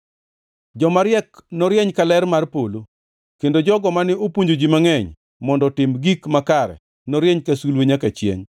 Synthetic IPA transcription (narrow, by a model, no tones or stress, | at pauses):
d͡ʒɔmaɾjɛknɔɾjɛɲkalɛrmarpolo | kendod͡ʒɔɡɔmanɪopuɲd͡ʒod͡ʒimaŋɛɲ | mɔndɔtɪmɡikmakaɾɛ̰ | nɔɾjɛɲkasulweɲakat͡ʃjḛɲ